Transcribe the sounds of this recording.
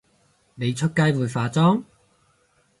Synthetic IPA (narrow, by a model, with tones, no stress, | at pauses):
me˨˧jt͡ʃʰɵ˥t̚kaː˥jwuː˨jfaː˨˧t͡sɔː˥ŋ